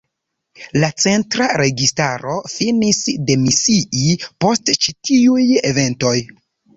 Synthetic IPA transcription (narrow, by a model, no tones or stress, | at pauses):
lat͡se̞ntɾaɾe̞ɡistaɾo̞finisde̞misiʔipo̞stt͡ʃitiuje̞ve̞nto̞j